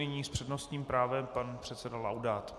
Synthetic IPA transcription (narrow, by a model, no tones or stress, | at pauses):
ɪɲiːspr̝̥ɛdnost̪ɲiːmpɾaːvɛmpanpr̥ɛt̪sɛdala̰wdaːt̪